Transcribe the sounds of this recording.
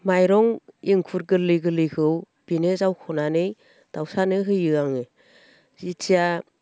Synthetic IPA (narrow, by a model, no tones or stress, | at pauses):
majɾɔŋiŋkʰuɾɡɯlɯɡɯlɯkʰɯw | b̥inezawkʰɔnanɯj | d̥awsanɯɦɯjɯaŋɯ | zitʰija